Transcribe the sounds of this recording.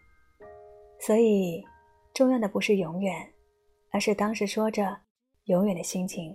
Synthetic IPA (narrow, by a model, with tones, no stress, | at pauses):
swɔ˧˥i˨˩ | ʈ͡ʂʊ˥˧ŋjɑ˥˩ŋd̪ə˩pu˧˥ʂɻ̩˥˩jʊ˧˥ŋjɥɛ˨˩˦n | ə˞˧˥ʂɻ̩˥˩t̪ɑ˥ŋʂɻ̩˧˥ʂwɔ˥ʈ͡ʂə˨˩ | jʊ˧˥ŋɥɛ˨˩nd̪ə˦ɕi˥ŋt͡ɕʰi˧˥ŋ